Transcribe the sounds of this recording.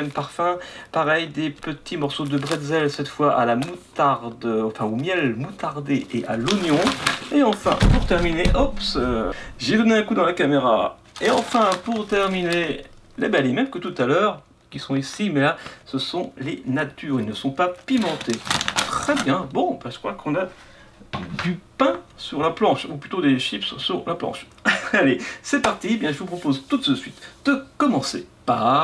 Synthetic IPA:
ɛmpaʁfɛ̃paʁɛjd̪epət̪ʰimɔʁsod̪əbʁɛd̪zɛlsɛt̪fwaʔalamut̪aʁd̪ɑ̃fɛ̃omjɛlmut̪aʁd̪eʔeʔa̰lɔnjɔ̃eɑ̃fɛ̰̃puʁt̪ɛʁmineʔɔps | ʒed̪ɔneɛ̃kud̪ɑ̃lakameʁa̰ | eɑ̃fɛ̃puʁt̪ɛʁmine | lebɛlemɛmkət̪ut̪alœːʁ | kʲisɔ̃isimɛlasəsɔ̃lenat̪yːʁilnəsɔ̃papimɑ̃t̪ett̪χɛbjɛ̃bɔ̃baʒə̥kwakʰɔ̃na | d̪ypɛ̃syʁlaplɑ̃ʃuplyt̪od̪eʃipssyʁlaplɑ̰̃ʃ | alesɛpaʁt̪iebjɛ̃ʒəvupχɔpozt̪ut̪səsɥit̪d̪̥əkɔmɑ̃sḛpa

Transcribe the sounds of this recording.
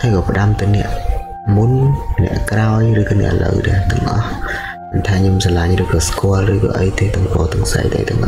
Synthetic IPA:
hajkɑːpə̆ɗamt̪ɨnɛ̆əʔ | munnɛ̰̆əʔkraɔjrɨːkɑːnɛ̰əʔələ̰wɗat̪ɛ̆əŋʔɑh | ɓənt̪ʰaːɲomsalaɲrɨːkɑːskoəlrɨːkɑ̰ːʔəjt̪eːt̪ʊəŋpɔːt̪ɨəŋsa̰jt̪a̰ːjt̪ɛ̰̆əŋʔɑ

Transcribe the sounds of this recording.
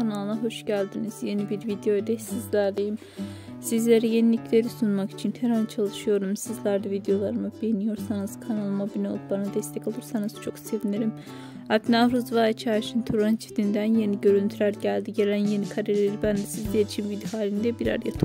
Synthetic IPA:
kʰanalˠɯnaɦo̞ʃɟælʲd̪iniz̥je̞nibiɾvid̪ejoed̪ɛsizlʲæɾlʲejim | sizlʲe̞ɾije̞nilʲiclʲe̞ɾisunmaki̥t͡ʃʰinhʰeɾant͡ʃʰalˠɯʃɯjo̞ɾumsizlʲˠaɾd̪avid̪ejo̞lˠaɾɯmɯbejinijo̞ɾsanɯz̥kʰanalˠmabinɛlˠup̚banad̪ɛst̪ʰɛcolˠuɾsanɯz̥t͡ʃʰo̞kse̞viniɾim | apnavɾuzvaːit͡ʃʰaːʃɯnt̪ʰuɾant͡ʃʰi̥d̪ind̪ænje̞niɟø̞ɾynt̪ʰyɾæɾɟælʲd̪iɟe̞lʲænje̞nikʰaɾellʲeɾibænd̪ɛsizd̪ɛjed̪iʃimvid̪iɦaːlʲinid̪ɛbiɾa̰ɾjat̪ʰ

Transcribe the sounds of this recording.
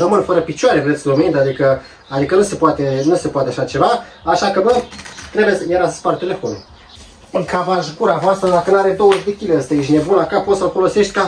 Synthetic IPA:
ɾəmɨnfəɾəpit͡ʃoaɾevɾe̞t̪sʲlomind̪ad̪ikə | ad̪ikənuse̞poat̪e̞nuse̞poat̪eaʃat͡ʃe̞va | aʃakəbət̪ɾe̞bjesjeɾasəspart̪ele̞fo̞nu | ɨŋkʰavaʒɡuɾavoast̪ɾəd̪akənaɾed̪o̞wəʒd̪e̞kʲileəst̪aʃinebunakapot̪səlfo̞lo̞se̞ʃt̪ʲka

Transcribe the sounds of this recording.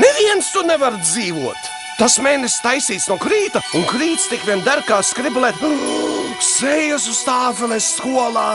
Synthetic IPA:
nɛiɛnst̪unɛvaɾd̪ziːvuɔt̪ | t̪asmɛːnest̪ajsiːt̪snuɔkɾiːt̪auŋkɾiːt̪st̪ikvʲiɛnd̪æɾkaːskɾiblˠɛt̪ | sɾɛjjas̬ust̪aːfelˠesːkuɔlˠaː

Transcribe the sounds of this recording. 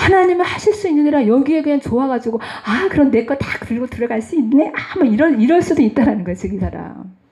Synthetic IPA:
hanaɲimehaɕʰiɭs͈uinːɯɲiɾajʌɡie̞deant͡ɕoaɡad͡ʑiɡoakɯɾʌnːe̞k͈watak̚tɯɭɡotɯɾʌɡaɭs͈uinːeʔamʌiɾʌiɾʌɭs͈udoit̚t͈aɾanɯnɡʌjot͡ɕʰeɡisʰaɾa̰m

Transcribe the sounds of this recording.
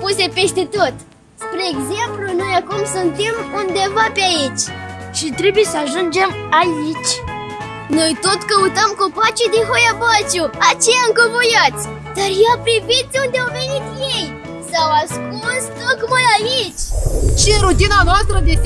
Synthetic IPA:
puse̞pe̞st̪e̞t̪o̞t̪ | spɾeːɡze̞mpluno̞jakumsunt̪e̞mund̪e̞vapeait͡ʃʲʃit̪ɾe̞buje̞səaʒund͡ʒe̞m | ait͡ʃʲ | no̞jt̪o̞t̪kəut̪əmkopat͡ʃid̪inxojapat͡ʃuat͡ʃe̞jaɨŋkəvojat̪sʲ | d̪arjeapɾivit̪̚d̪eund̪eawve̞nit̪je̞j | sawaskust̪okmajait͡ʃʲt͡ʃeɾut̪inanoast̪ɾəd̪e

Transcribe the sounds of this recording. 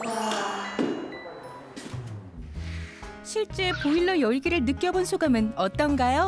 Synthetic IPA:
ɕʰiɭt͡ɕ͈e̞poiɭːojʌɭɡiɾɯɭnɯk͈jʌbonsʰuɡamɯnʌt͈ʌnɡajo

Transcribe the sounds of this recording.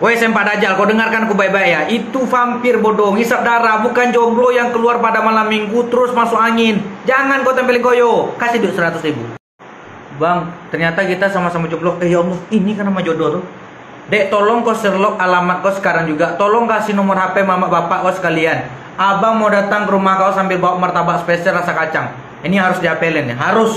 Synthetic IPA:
wɛsɛmpadad͡ʒalkɔdəŋarkankubajbajaʔit̪ufampɪrbɔdɔŋisap̚daɾabukand͡ʒɔblɔjaŋkəluarpadamalamːiŋɡut̪əɾʊsmasʊkaŋɪnd͡ʒaŋankɔt̪ɛmpɛliŋkɔjɔkasidoʔsəɾat̪ʊsribṵ | baŋt̪ərɲat̪akit̪asamasamad͡ʒɔblɔɛjɔmɔinikarnamad͡ʒɔdɔt̪ɔ | daʔt̪ɔlɔŋkɔsərlɔkalamat̪̚kɔsə̥kaɾaŋd͡ʒuɡat̪ɔlɔŋkasinɔmɔrɦapɛmamaʔbapaʔkɔsə̥kalian | abamodat̪aŋkəɾumahkaasambɪlbawaʔ̚mart̪abaʔspɛsɛrasakat͡ʃaŋ | iniɦaɾʊsdiɦapɛlɛnɛɦaɾʊs

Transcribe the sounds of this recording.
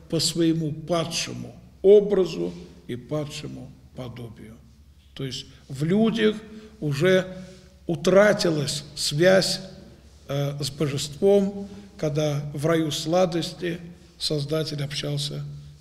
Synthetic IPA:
pəsvəjɪmupat̪ʂə̰mʊo̞bɾəzʊipat̪ʂɨmʊpɐd̪obʲɪjʊ | t̪ojɪsʲtʲ | vlʲudʲəxʊʐɛ | ʊt̪ɾatʲɪlˠəsʲsvʲæsʲ | əzbəʐɨst̪vo̞mkɐɡd̪avrɐjuslˠad̪əsʲtʲɪ | sɐzd̪atʲɪlʲɐpɕːalˠs̬ʲə

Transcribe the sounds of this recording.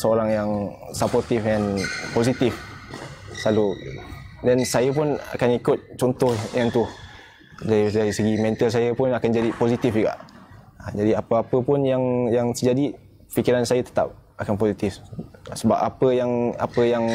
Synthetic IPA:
səoɾaŋjaŋsapɔrt̪ifɛnposit̪if | salu | dɛnsajəpʊna̰kanikʊt̪̚t͡ʃɔnt̪ɔhjaŋt̪uh | dadaɾisəɡimɛ̃nt̪əls̬ajəpʊnakand͡ʒadiposit̪ifd͡ʒəɡa̰ʔ | əd͡ʒadiapəapəpʊnjaŋjaŋt̪əd͡ʒadi | fikiɾansajət̪ə̥t̪a̰p̚akanposit̪ɪfsəba̰pa̰pəjaŋa̰pəjaŋ

